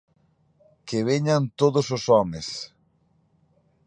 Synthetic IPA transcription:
keβ̞eɲant̪oðososɔmes

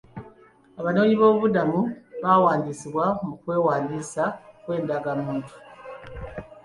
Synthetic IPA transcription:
aβano̞ːɲiβo̞ːβudamuβawaːndisiβwamukwe̞ːwaːndiːsakwe̞ːndaɡamuːntʰu̥

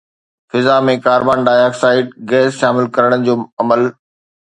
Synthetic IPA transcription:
fɪzamẽkaːɾbaːnɖaːɪaːksaːɪɖ̚ɡɛːsʃaːmɪlkɐɾəɽ̃ənɪ̆d͡ʑoːɐməl

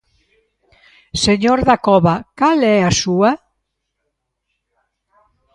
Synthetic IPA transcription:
seɲoɾðakɔβakalɛasua

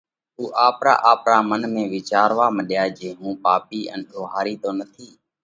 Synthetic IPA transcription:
uːʔaːpɾa̰ːʔaːpɾaːmənmẽːʋɪːt͡ʃaːɾʋaːməɗjaːd͡ʒeːɦũːpaːpiːʔənɗoːɦaːɾiːt̪oːnət̪ʰiː

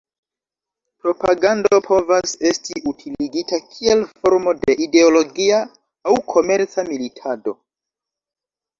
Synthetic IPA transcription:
pɾo̞paɡando̞pʰo̞vase̞stiʔutʰiliɡitakʰie̞lfo̞ɾmo̞de̞ʔide̞olo̞ɡiaː | wkʰo̞me̞ɾt͡samilitʰado̞

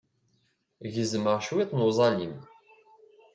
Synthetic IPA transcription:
ʝəzməʁʃwit̪ˤnuzˤɑlim

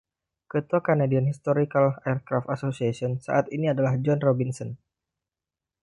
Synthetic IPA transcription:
kət̪uakanadianhist̪oɾikalaɛrkɾaft̪asosiasiɔnsa̰ʔat̪iniadalahd͡ʒɔnrobinsɔn

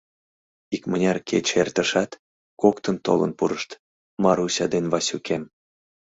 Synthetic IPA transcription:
ikmənʲɑrkʰet͡ɕert̪əʃɑt̪ | kokt̪ənt̪o̰lə̰npuɾəʃt̪ | mɑɾusʲɑd̪enβɑsʲukʰem

